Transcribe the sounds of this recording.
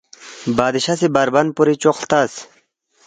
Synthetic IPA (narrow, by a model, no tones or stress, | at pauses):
baːd̪iɕasibaɾbɐnpuɾit͡ɕoqlt̪as